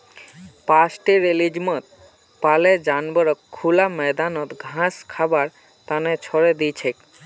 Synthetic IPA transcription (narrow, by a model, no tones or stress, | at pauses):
pasʈiɾelid͡ʑmɔt̪̚ | paled͡ʒanbɔɾɔkʰːulamɛd̪anɔt̪ɡʱãskʰabaɾ | t̪anet͡ʃʰɔɾed̪ijt͡ɕʰek